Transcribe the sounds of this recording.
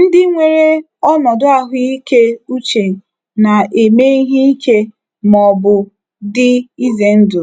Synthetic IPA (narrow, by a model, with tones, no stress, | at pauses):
n̩˦dɪ˦ŋʷe˨ɾe˦ | ɔ˦nɔ˨dʊ˦a˦ɦʊ˦i˦ke˦u˦t͡ʃe˨ | na˨e˨me˦i˦ɦi˦i˦ke˦ | mɔ˨bʊ˨ | dɪ˦i˦ze˨n̩˦dʊ˨